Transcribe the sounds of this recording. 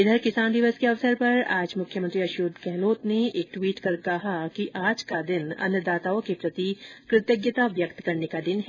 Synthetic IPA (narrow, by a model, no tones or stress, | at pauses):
ɪd̪ʱəɾkɪsaːnd̪ɪʋəskeɐʋsəɾpɐɾa̰ːd͡ʒmʊkʰjəmə̃nt̪ɾiɐʃuːd̪kɛɦloːt̪neeːk̚ʈwiːʈkɐɾkɐɦakiʔaːd͡ʒkad̪ɪnɐ̰njəd̪aːt̪aːõkepɾɐt̪ikɾɪt̪jəɡjət̪aʋjɐkt̪kɐɾnekad̪ɪnɦ